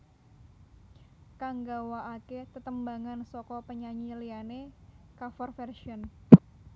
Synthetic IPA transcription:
kaŋɡawaaket̪ət̪əmbaŋansɔkɔpəɲaɲilianekafɔrfɛrʃiɔn

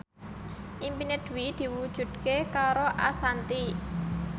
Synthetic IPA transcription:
ʔimpined̪̥wid̪̥i̤wud̥ʒ̥ṳd̪̥̚kekaɾoʔasant̪i

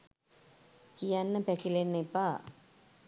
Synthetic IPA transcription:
kijanːɐpɛkilenːepa

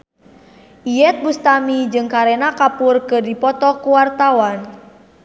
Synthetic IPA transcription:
ʔijɛt̪̚bust̪amid͡ʒɨŋkaɾenakapʊrkɨdipɔt̪ɔkuwart̪awan

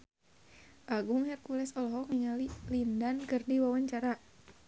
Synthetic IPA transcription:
ʔaɡʊŋhɛrkulɛsɔlɔɦɔk̚ŋiŋalilindankɨrdiwawaɲt͡ʃaɾa

